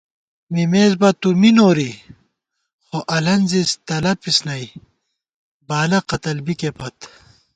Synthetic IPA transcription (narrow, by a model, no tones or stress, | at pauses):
mimeːzbɐt̪uminoːɾi | xoʔɐlɐnzist̪ɐlɐpisnɐj | baːlɐqɐt̪ɐlbikepɐt̪